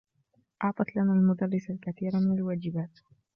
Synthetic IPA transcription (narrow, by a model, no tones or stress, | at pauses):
ʔɑʕt̪ˤɑt̪lanaːlmʊd̪arːɪsalkaθiːɾamɪnalwaːd͡ʒɪbaːt̪